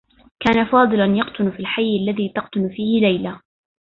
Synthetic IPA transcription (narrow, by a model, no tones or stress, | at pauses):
kaːnafɑːd̪ˤɨlanjɑqt̪ʊnfiːlħajːalːaðiːt̪ɑqt̪ʊnfiːhɪlajla